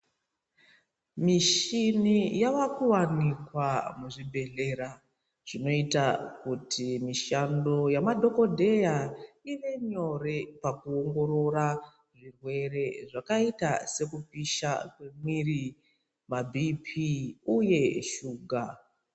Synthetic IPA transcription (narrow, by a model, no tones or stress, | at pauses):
miʃinijaʋakuwanikwamuʐibʱe̞ɮe̞ɾa | ʐ̥ino̞itakutʰimiʃando̞jamadʱo̞ko̞dʱe̞jaiʋe̞ɲo̞repakuoŋɡo̞ɾo̞ɾa | ʐirwe̞ɾe̞ʐakaitase̞kupiʃa̰kwe̞mwiri | mabʱipʰiuje̞ʃuːɡʱa